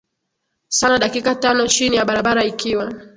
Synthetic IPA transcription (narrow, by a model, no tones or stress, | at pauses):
sanaɗakikatanɔt͡ʃinijaɓaɾaɓaɾaikiwa